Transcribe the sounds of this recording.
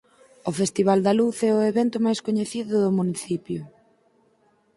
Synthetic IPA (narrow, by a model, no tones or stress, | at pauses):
ʊfest̪iβald̪aluθɛʊeβɛnt̪ʊmajskoɲeθiðʊðʊmuniθipjʊ